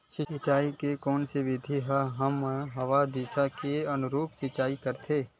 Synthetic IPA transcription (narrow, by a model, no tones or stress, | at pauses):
ʃɪɪt͡ʃaːikekɔːnseʋɪd̪ʱiɦɦɐmɦɐʋad̪isakeɐnʊɾuːpsɪt͡ʃaːikɐɾt̪ʰeː